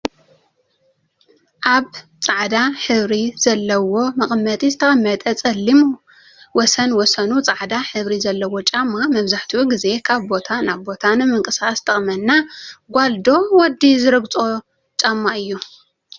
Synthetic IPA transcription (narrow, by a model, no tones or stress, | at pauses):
ʔaβt͡sʼaʕd̪aħɨβɾizɐlːɐwo̞mɨχʼmːɐt̪ʼizɨt̪ʰɐʔʼɐmːɐt̪ʼɐt͡sʼɐlːimu | wɔsɐnwɔsɐnut͡sʼaʕd̪aħɨβɾizɐlːɐwo̞t͡ʃʼamːamɐβzaħt̪ʰiuɡize̞kʰaβbo̞t̪ʰanaβbo̞t̪ʰanɨmɨŋkʼɨsast̪ʰɐχʼmɐnːaɡʷald̪o̞wɔd̪izɨɾɨɡt͡sʼo | t͡ʃʼamːaʔɨjːu